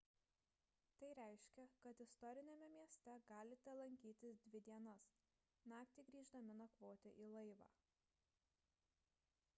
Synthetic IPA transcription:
t̪ɐɪɾʲæɪʃʲkʲɛkɐt̪ɪst̪ɔɾʲɪnʲemʲɛmʲiɛsʲt̪ʲɛɡɑːlʲɪt̪ʲɛlˠɐŋʲkʲiːt̪ʲɪsd̪ʲʋʲɪd̪ʲiɛnɐs | nɑːkt̪ʲɪɡɾʲiːʒd̪ɐmʲɪnuɔkʋoːt̪ʲeʔiːlˠɐɪʋɑ̰ː

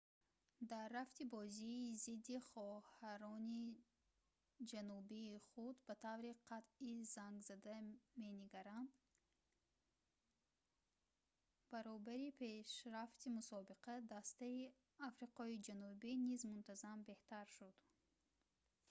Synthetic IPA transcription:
d̪arːaft̪ibɔziːzid̪ːiχɔhaɾɔni | d͡ʒanubiːχud̪bat̪ʰavɾiqʰat̪izaŋɡzad̪ame̞niɡaɾam | b̥aɾɔbaɾipʰeʃɾaft̪imusɔbiqad̪ast̪ai | afɾiqɔid͡ʒanubinizmunt̪azambe̞ht̪aɾʃud̪̥

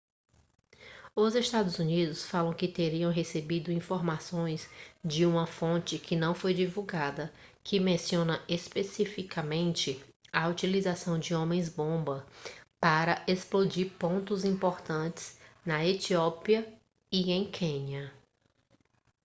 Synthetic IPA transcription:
ʊzest̪ad̪ʊzunid̪ʊsfalɐ̃w̃kɪt̪eɾiɐ̃w̃ɦesebid̪ʊĩfoɾmasõj̃sd͡ʒɪũmɐfõt͡ʃɪkʰɪnɐ̃w̃fojd͡ʒivuɡad̪ɐ | kʰɪmẽsiõnɐespesifikʰɐmẽnt͡ʃɪɐut͡ʃilizasɐ̃w̃d͡ʒɪõmẽj̃zbõbɐpaɾɐʔesplod͡ʒiɾpõnt̪ʊzĩmpoɾt̪ɐ̃t͡ʃɪ̥snɐet͡ʃiɔpiɐ | iẽj̃kʰẽɲiɐ

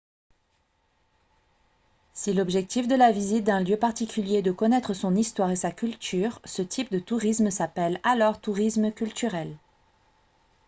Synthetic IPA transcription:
silɔbʒɛk̚t̪ifd̪əlavizit̪̚d̪ɛ̃ljøpaʁt̪ikʲyljed̪əkɔnɛt̪χəsɔ̃nist̪waʁesakʲylt̪ʰyʁsət̪ʰip̚d̪ət̪uʁismsapɛlalɔʁt̪uʁisməkʲylt̪yʁɛl

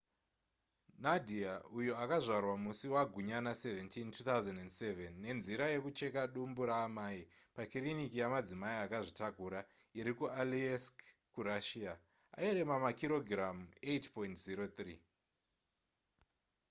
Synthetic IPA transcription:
nadʱiaujuakaʐarwamusiwaɡʱuɲanase̞ventintʰut̪auzendendsevenːe̞nziɾaje̞kut͡ʃe̞kaɗumbuɾaːmai | pakirinikijamad͡zimaiakaʐitakuɾa | iɾikualiesk | kuɾaʃia | a̰eɾe̞mamakiɾo̞ɡʱrametpo̞intziɾo̞t̪riː

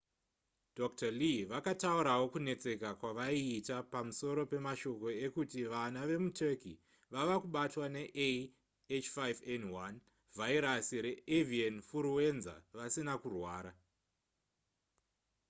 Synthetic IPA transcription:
dok̚taliʋakatauɾawo̞kune̞t͡se̞kakwaʋaiːtapamuso̞ɾo̞pe̞maʃo̞ko̞e̞kutiʋanaʋe̞mutʰeki | ʋaʋakuɓatwane̞ʔe | et͡ʃfajvenwan | vʱaiɾasiɾe̞evianfuɾuwe̞nza̰ʋasinakurwaːɾa

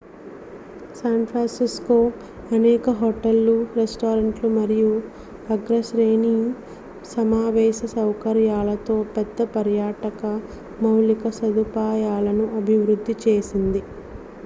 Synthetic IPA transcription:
saːɳpʰɾaːnsiskoː | ɐnɛːkɐɦoʈɐlːuɾesʈoːɾɐɳʈlumɐɾiju | ɐɡɾɐsɾeːniŋ | sɐmaːʋɛːʃɐsɐwkɐɾjaːlɐt̪o̞ːpɛd̪ːɐpɐɾjaːʈɐkɐ | mɐwlikɐsɐd̪upaːjaːlɐnuʔɐbʱiʋɾud̪ʱːit͡ʃe̞ːsind̪i

